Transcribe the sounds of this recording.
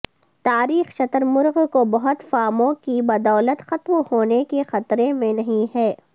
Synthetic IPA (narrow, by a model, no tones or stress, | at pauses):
t̪aːɾiːxʃɐt̪əɾmʊɾɣkobɐɦʊt̪faːmõkibɐd̪ɔːlət̪xɐt̪mhoːnekexɐt̪ɾemẽnɐɦĩhɛː